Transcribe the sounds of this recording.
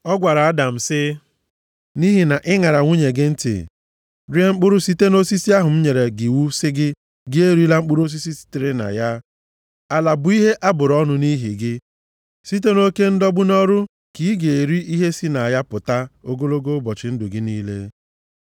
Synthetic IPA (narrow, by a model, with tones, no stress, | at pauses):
ɔ˦ɡʷa˨ɾa˨a˦da˨m̩˨sɪ˦ | ni˦ɦi˨na˨ʔɪ˦ŋa˨ɾa˨ŋʷu˦ɲe˨ɡɪ˦n̩˦tɪ̰˨ | ɾi˦e˦ŋ͡m̩˦k͡pʊ˦ɾʊ˦si˦te˦no˦si˦si˦a˦ɦʊ˨m̩˦ɲe˨ɾe˨ɡɪ˨wu˦sɪ˦ɡɪ˦ | ɡɪ˦e˦ɾi˦la˦ŋ͡m̩˦k͡pʊ˦ɾo˦s̬i˦si˦si̥˦tɪ˦ɾɪ˦na̰˨ja˦ | a˨la˨bʊ˨˦i˦ɦe˦ʔa˦bʊ˨ɾɔ˦nʊ˦ni˦ɦḭ˨ɡɪ˦ | si˦t̬e˦no˦ke˦n̩˦dɔ˦bʊ˦nɔ˦ɾʊ˦ | ki˨˦ɡe˨e˨ɾi˦ʔi˦ɦe˦si˦na˨ja˦pʊ˨ta˦o˦ɡo˦lo˦ɡo˦bɔ˨t͡ʃɪ˨˦n̩˦dʊ˨ɡɪ˦ni˦lḛ˦